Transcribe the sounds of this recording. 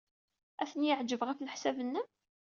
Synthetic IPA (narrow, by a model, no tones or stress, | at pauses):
æθənjəʕd͡ʒːəvʁæfləħsævənːə